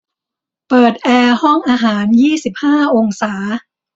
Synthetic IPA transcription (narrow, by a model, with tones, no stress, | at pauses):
pɤː˨˩t̪̚ʔɛː˧hɔ˥˩ŋʔaː˧ɦaː˩˦njiː˥˩si˨˩p̚haː˥˩ʔo˧ŋsaː˩˦